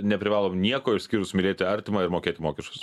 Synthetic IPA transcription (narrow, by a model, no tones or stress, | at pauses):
nʲɛpʲɾʲɪʋɑːlˠoːmnʲiɛkoːɪʃʲskʲiːɾʊsmʲɪlʲeːt̪ʲɪɐɾʲt̪ʲɪmɐɪɾmoːkʲeːt̪ʲɪmoːkʲɛʃkʊs